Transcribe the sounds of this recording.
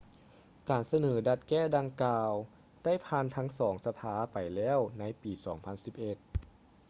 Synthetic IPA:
kaː˨˩nsa˧nɤː˩˦da˧t̪̚kɛː˥˩da˧ŋkaː˧w | d̥a˥˩jpʰaː˧nt̪ʰa˦˥ŋsɔː˩˦ŋsa˧pʰaː˧˥pa˨˩jlɛː˥˩˨wna˧˥jpiː˨˩sɔː˩˦ŋpʰa˧˥nsi˨˦p̚ʔe˧˩t̪̚

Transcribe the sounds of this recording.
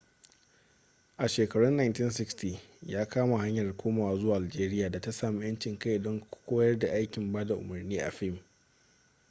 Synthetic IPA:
ʔa˨ʃeː˨kɐ˨ɽʊ˦nːa˨jntɪ˦ns̬ɪ˦kstiː˨jaː˦kʰaː˦ma˨ha˦ɲjɐ˨rkʷoː˦maː˨waː˦zʊ˦waː˨ʔa˨d͡ʒeː˦ɾɪ˦jaː˨da˨ta˦saː˨mi˦jɐ˦nt͡ʃɪ˨ŋka˦˨ʔdɔ˦ŋ˦kʷoː˦jɐ˦rda˨ʔa˦jkʲɪ˨mbaː˦da˨ʔʊ̰˨mɐ˨rniː˦ʔa̰˨ɸɪ˦˨m

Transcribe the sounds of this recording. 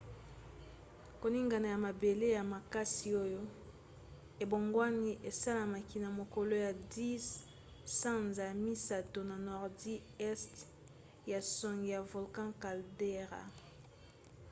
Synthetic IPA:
ko˨ni˦ŋɡa˨na˨ja˨ma˨be˨le˦ja˨ma˨ka˦si˨o˦jo˦ | e˨bo˨ŋɡwa˦ni˦ʔe˨sa˦la˨ma˨ki˨na˨mo˨ko˨lo˦ja˨di˦s | sã˦nza˨mi˦sa˨to˨na˨nɔ˨ʁdi˦ɛ˦st | ja˨sɔ˨ŋɡi˨ja˨vo˨lkã˦ka˨lde˦ʁa̰˨

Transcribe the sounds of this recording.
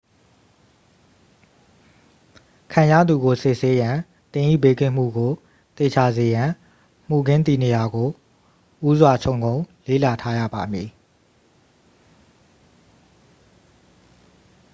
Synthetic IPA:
kʰã˨ja̰˦˨d̪u˨ɡo˨sɪ˦˨ʔse˦jã˨ | t̪ɪ̃˨ʔḭ˦˨be˦kɪ̰̃˦˨m̥ṵ˦˨ɡo˨ | t̪e˨t͡ɕʰa˨ze˨jã˨ | m̥u˨ɡɪ̃˦nt̪i˨ne˨ja˨ɡo˨ | ʔu˦zwa˨t͡ɕʰõ˦˨ʊ̃ŋɡõ˦ʊ̃lḛ˦˨la˨tʰa˦jä̰˦˨ba˨mji˨

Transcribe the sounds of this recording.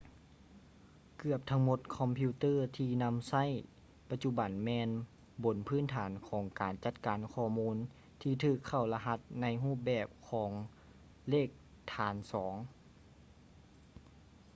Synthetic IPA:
kɯ˧˩əp̚t̪ʰa˧˥ŋmo˧˦t̪̚kʰɔ˧mpʰi˧t̪ɤː˥˨t̪ʰiː˧na˧˥msa˥˩˨j | pa˧t̪̚t͡ɕu˧˥ba˨nmɛː˧n | bo˨˩npʰɯː˧˥˨nt̪ʰaː˨˦nkʰɔː˨˦ŋkaː˨nt͡ɕa˧˥t̪̚kaː˨˦nkʰɔː˧˩muː˧˥n | t̪ʰiː˧t̪ʰɯː˧˩kʰːa˧˩wla˧ɦa˧˥t̪̚na˧˥jɦuː˥˩p̚bɛː˧˩p̚kʰɔː˩˦ŋ | leː˥˩k̚ | t̪ʰaː˨˦nsɔː˩˦ŋ

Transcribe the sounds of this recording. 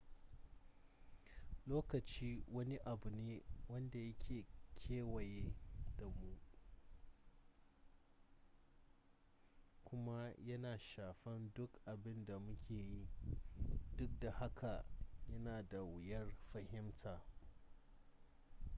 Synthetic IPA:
loː˦kɐ˨t͡ʃiː˦wɐ˦ni˦ʔa˨bu˨neː˦wɐ˦nda˨jɐ˦kʲʰeː˨kʲʰeː˦wɐ˨jeː˦da˨mu˦ | kʷʊ˦ma˦jɐ˦naː˨ʃaː˨ɸɛ˦ndʊ˦kʔa˨bɪ˦nda˨mʊ˦kʲʰeː˨ji˦ | dʊ˦k̚da˨ha˦kʰa˨jɐ˦naː˨da˨wɪ˨jɐ˦rɸɐ˨hɪ˦mtʰaː˨

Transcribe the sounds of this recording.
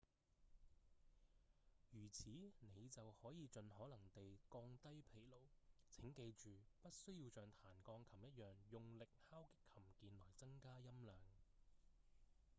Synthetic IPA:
jyː˨˩t͡sʰiː˨˥ne˨˧jt͡sɐ˨whɔː˨˥jiː˨˧t͡ʃɵ˨nhɔː˨˥lɐ˨˩ŋt̪e˨jkɔː˧ŋt̪ɐ˥jpʰe˨˩jlo˨˩wt͡sʰɪ˨˥ŋke˧jt͡ʃyː˨pɐ˥t̚sɵ˥ɥjiː˧wt͡ʃœː˨ŋt̪ʰaː˨˩nkɔː˧ŋkʰɐ˨˩mjɐ˥t̚jœː˨ŋjʊ˨ŋlɪ˨k̚haː˥wkɪ˥kʰːɐ˨˩mkiː˧nlɔː˨˩jt͡sɐ˥ŋkaː˥jɐ˥mlœː˨˧ŋ

